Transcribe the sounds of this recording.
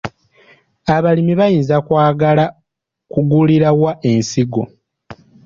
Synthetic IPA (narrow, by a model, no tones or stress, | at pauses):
aβalimiβajiːnzakwaːɡala | kuɡuliɾawaʔe̞nsiɡo̞̰